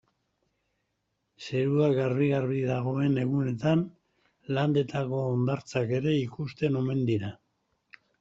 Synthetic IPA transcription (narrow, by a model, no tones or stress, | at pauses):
se̞ɾuaɡaɾβiɣaɾβiðaɣ̞o̞e̞ne̞ɣ̞une̞t̪an | land̪e̞t̪ako̞ːnd̪aɾt͡sake̞ɾe̞ikust̪e̞no̞me̞nd̪iɾa